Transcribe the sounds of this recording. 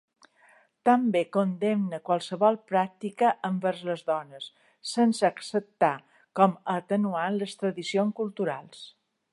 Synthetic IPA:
t̪əmbekond̪emnəkwalˠsəβɔlˠpɾak̚t̪ikəʔəmbəɾzləzðɔnəsː | ənsəːksəp̚t̪a | kɔmət̪ənuanləst̪ɾəðisionskulˠt̪uɾalˠs

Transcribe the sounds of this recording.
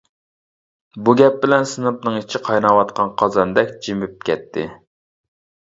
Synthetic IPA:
buɡʲɛp̚bɪlɛnsɨnɨpnɨŋit͡ʃʰiqʰɑjnɑwɑt̪̚qʰɑnqʰɑzɑnd̪ɛkʲd͡ʒimyp̚kʲɛ̰t̪ʰːɪ̰

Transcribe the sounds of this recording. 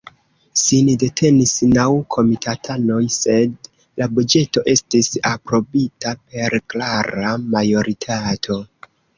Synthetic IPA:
sinide̞tʰe̞nisnawkʰo̞mitʰatʰano̞jse̞d | labud͡ʒe̞to̞ʔe̞stisapɾo̞bitap̚e̞ɾklaɾamajo̞ɾʔitʰatʰo̞

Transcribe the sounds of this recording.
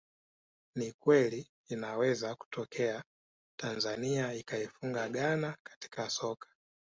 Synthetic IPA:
nikwɛliː | nawɛzaku̥tʰɔkʰɛa | tanzaniaikaifuŋɡaɠanakḁti̥kʰasɔkʰḁ

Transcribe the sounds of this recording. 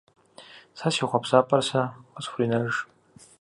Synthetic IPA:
sasiχʷapʰsapʼarsaqasχʷrinaʒ

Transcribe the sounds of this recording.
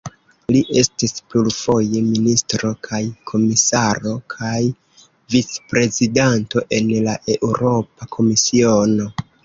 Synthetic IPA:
liʔe̞stispluɾfo̞jeministɾo̞kʰajkʰo̞misaɾo̞kʰaj | vit͡spɾe̞zidanto̞ʔe̞nlaʔe̞ʔuɾo̞pakʰo̞misio̞no̞

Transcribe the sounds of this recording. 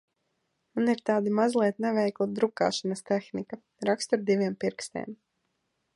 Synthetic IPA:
muniɾt̪aːd̪imazlˠiɛt̪nɛvɛjkut̪̚d̪ɾuka̰ːʃanɐst̪ɛxnika | ɾakst̪aɾd̪iviɛmpiɾkst̪ɛ̰ːm

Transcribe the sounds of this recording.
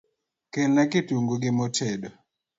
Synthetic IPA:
kelnɛkɪtuŋɡuɡɪmɔtʰedo

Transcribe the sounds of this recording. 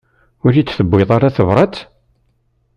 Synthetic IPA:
ʊɾit͡sːθəbːɪðˤaɾaθəvɾˤɑt͡s

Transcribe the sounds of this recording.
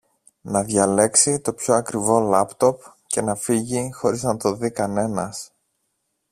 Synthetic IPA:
nɐðʝɐle̞ksit̪o̞pço̞ɐkɾivo̞lɐpt̪o̞pce̞nɐfiʝixo̞ɾiznɐt̪o̞ðikɐne̞nɐs

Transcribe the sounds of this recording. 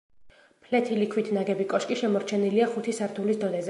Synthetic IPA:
pʰlɛt̪ʰilikʰwit̪ʰnaɡɛbikʼɔʃkʼiʃɛmɔɾt͡ʃʰɛniliaχut̪ʰisaɾt̪ʰulisd̪ɔd̪ɛzɛ

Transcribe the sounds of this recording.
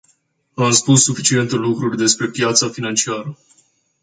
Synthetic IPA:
amspusːufit͡ʃie̞nt̪elukɾurʲd̪e̞spɾe̞pjat̪safinant͡ʃiaɾə

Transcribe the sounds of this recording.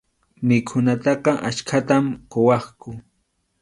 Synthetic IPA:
mɪkʰʊnat̪ɑqɑʔat͡ʃkʰat̪amqowɑχkʊ

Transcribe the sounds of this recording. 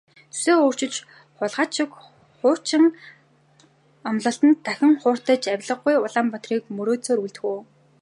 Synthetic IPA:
t͡su̥seːoːr̥t͡ɕɪ̆t͡ɕ | χʊɮʁaːt͡ɕʰɪ̆k | χʊːr̥t͡ɕʰɪ̆ŋ | ɔmɮə̆ɬt̪ə̆nt̪ʰːæxʲɪ̆ŋχʊːr̥t̪ə̆t͡ɕæwʲɮə̆χɡujʊɮaːmpɔt̪riːkmɵɾoːt͡soːɾuɮt̪̆xuː

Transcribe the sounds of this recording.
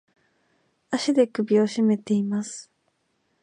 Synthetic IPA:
aɕid̪e̞kɯ̟bʲio̞ɕime̞t̪e̞imasɨ̥

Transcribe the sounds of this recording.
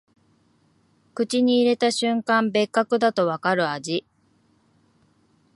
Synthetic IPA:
kɯ̟t͡ɕiɲ̟iːɾe̞t̪aɕɨ̃ŋkãmbe̞kːakɯ̟d̪at̪o̞βakaɾɯ̟ad͡ʑi

